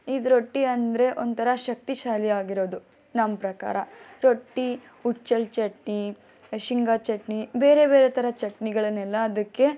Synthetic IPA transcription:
id̪uɾo̞ʈːiɐnd̪ɾe̞ʔont̪ʰɐɾɐʃɐk̚t̪iʃaːliaːɡiɾo̞ːd̪u | nɐmɐpɾɐka̰ːɾɐɾo̞ʈːi | ut͡ʃːɐlt͡ʃɐʈɳi | ʃiŋɡaːt͡ʃɐʈɳibe̞ːɾe̞be̞ːɾet̪ʰɐɾɐt͡ʃɐʈniɡɐɭɐnɛlːɐːd̪ɐkːe̞

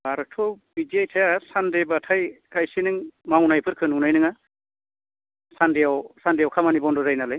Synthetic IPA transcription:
aɾɯktʰɔwbid͡ʒiajtʰajasandebatʰajkajsinɯŋmawnajpʰɯɾkʰɯnunajnɯŋa | sandijawsandijawkʰamanibɔndɔzajnalɯj

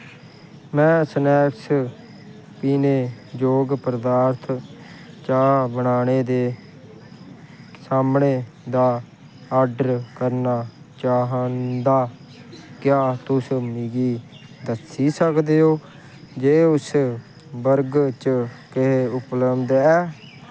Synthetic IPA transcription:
mɛ̃ːsənɛːks | piːneːd͡ʒoːɡpəɾəd̪aːɾt̪ʰ | t͡ʃaːbəɳaːneːd̪eː | saːmɳeː | d̪aː | aːɾɖəɾkəɾnaː | t͡ʃaːɦənd̪aː | kjaːt̪ʊsmiɡiː | d̪əsiːsəkd̪eːoː | d͡ʒeːʊs | bəɾɡt͡ʃəkɪɦeʊpləbd̪ɛː

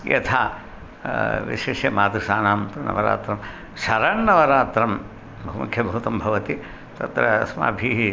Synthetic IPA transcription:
jɐ̰t̪ʰa | ʋḭʃeːʃjɐmaːd̪usaːnaːmt̪unɐ̰ʋɐɾa̰ːt̪ɾɐm | sɐɾɐnːɐʋɐɾaːt̪ɾɐm | bʱɐɦumukʰjɐbʱɐut̪ɐmbʱɐʋɐt̪i | t̪ɐt̪ɾɐsma̰ːbʱiːɦi

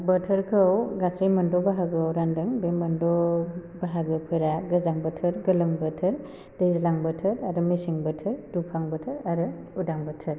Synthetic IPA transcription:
bətʰəɾkʰɯwɡasimɐndɔbaɦaɡɯawɾandɯŋbemɐndɔbaɦaɡɯpʰɯɾaɡɯzaŋbɐtʰɯɾɡɐlɯŋbɐtʰɯɾ | dezlaŋbɐtʰɯɾaɾɯmisiŋbɐtʰɯɾdupʰaŋbɐtʰɯɾaɾɯudaŋbɐtʰɯɾ

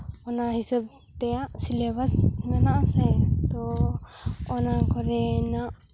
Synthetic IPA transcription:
ɔnaɦisəb̚ | t̪ɛjaʔsilebashinanaʔasɛt̪ɔː | nakɔɾɛnaʔ

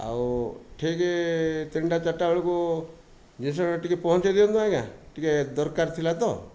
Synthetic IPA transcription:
a̰wʈʰiket̪iɳɖat͡ʃaʈːaʋɔɭiku | d͡ʒis̬ɔaʈikepɔɦɔ̃t͡ʃed̪iɔnd̪uakaʈiked̪ɔɾkaɾt̪ʰilat̪ɔ

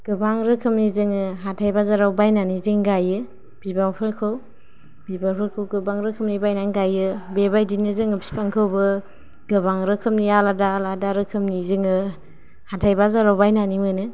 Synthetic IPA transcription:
ɡ̥ɯbaŋɾɯkʰɯmnizɯŋɯɦatʰajbazaɾawbajnanizɯŋɡajɯ | b̥ibaŋpʰɯɾkʰɯw | bibaŋpʰɯɾkʰɯwɡɯbaŋɾɯkʰɯmnibajnaŋɡajɯbebajdinɯzɯŋɯbi̥spʰaŋkʰɯwbɯ | ɡ̥ɯbaŋɾɯkʰɯmnialadaladaɾɯkʰɯmnizɯŋɯ | hatʰajbazaɾawbajnanimɯnɯ

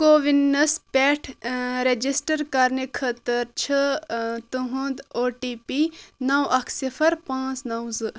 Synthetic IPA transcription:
koʋinːɐspʲɛʈʰɾed͡ʒisʈɐɾkɐɾnikʰət̪ɐɾt͡ʃʰət̪uɦũnd̪oːʈipinɐwɐkʰsifʰɐɾpãːt͡snɐwzɨ

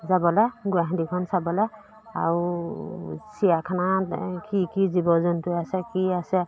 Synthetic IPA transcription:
zabɔlɛɡuaɦdikʰɔnsabɔlɛ | a̰ɹu | sijakʰanakikizibɔzɔntʊasɛkiasɛ

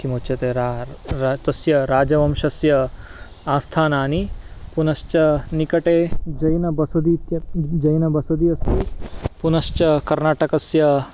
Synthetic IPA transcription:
kimoːt͡ʃjɐt̪eːɾa | t̪ɐsjɐɾaːd͡ʒɐʋɐmʃɐsjɐ | aːst̪ʰaːnaːnipunɐʃt͡ʃɐnikɐʈeːd͡ʒɐjnɐbɐsɐd̪it̪jɐd͡ʒɐjnɐbɐsɐd̪iɐst̪ipunɐʃt͡ʃɐkɐɾnaːʈɐkɐsjɐ

